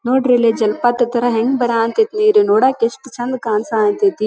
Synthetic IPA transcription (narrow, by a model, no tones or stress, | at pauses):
noːɖɾeleːd͡ʒɐlpɐt̪t̪ɐɾɐɦɛ̃ŋɡbɐɾaːnt̪et̪niːɾenoːɽaːkesʈt͡ʃʰɐnd̪kaːnsaːnt̪eːt̪iː